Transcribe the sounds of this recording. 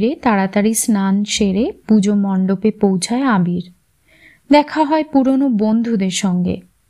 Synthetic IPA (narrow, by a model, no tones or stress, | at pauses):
ɾet̪aɽat̪aɾisnanʃeɾepud͡ʑomɔɳɖopepowt͡ɕʰaeabiɾ | d̪ɛkʰaɦɔepuɾonobond̪ʱud̪eɾʃɔŋɡḛ